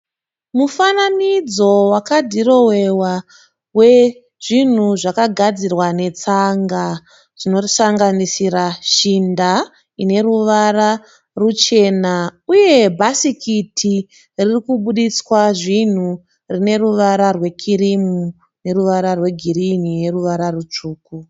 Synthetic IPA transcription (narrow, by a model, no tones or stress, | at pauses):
mufananid͡zo̞wakadʱiro̞we̞wa | we̞ | ʐ̥in̤uʐakaɡʱad͡zirwane̞t͡saŋɡa | ʐ̥ino̞saŋɡanisiɾaʃinda | ine̞ɾuʋaɾa | rut͡ʃe̞ːnauje̞bʱasikitʰi | ririkuɓuɗiswaʐin̤u | rine̞ruʋaɾarwe̞kʰiɾimu | ne̞ɾuʋaɾarwe̞ɡʱiɾinine̞ruʋaɾarut͡ʂuːku